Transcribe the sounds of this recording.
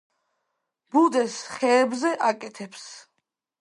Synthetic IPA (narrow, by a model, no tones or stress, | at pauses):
b̥ud̪ɛsχɛːbzɛʔakʼɛt̪ʰɛps